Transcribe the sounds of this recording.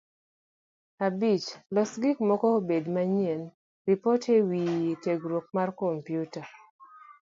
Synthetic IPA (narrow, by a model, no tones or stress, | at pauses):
abit͡ʃlɔsɡikmɔkɔbedmaɲen | ripɔtʰewiteɡɾwok̚markompjuta